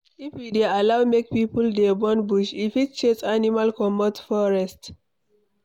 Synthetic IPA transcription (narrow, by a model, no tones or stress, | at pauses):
ifwidealawmek̚pipuldɛbɔ̃nbuʃifit̚t͡ʃesanimalkɔmɔtfɔɹɛst